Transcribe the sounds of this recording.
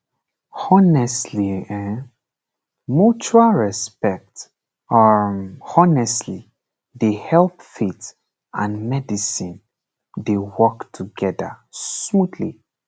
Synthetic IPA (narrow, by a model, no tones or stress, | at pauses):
ɔnɛsliɛ | mut͡ʃualɹɛspɛk̚t | ɔ | ɔnɛsli | dehɛlpfit | ãnmɛdisĩn | dewɔktʰuɡɛdə̰mudlḭ